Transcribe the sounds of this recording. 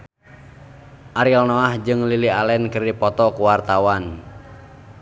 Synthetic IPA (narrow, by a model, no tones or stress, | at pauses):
ʔaɾilnɔahd͡ʒɨŋlilialɛnkɨrdipɔt̪ɔkuwart̪awan